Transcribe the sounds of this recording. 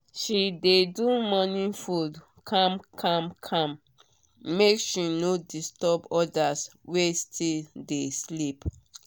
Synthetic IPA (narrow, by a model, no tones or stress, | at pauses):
ʃidedumɔnĩfud | kʰãmkʰãmkʰãm | mekʃinodistɔbɔdaswestʰildeslip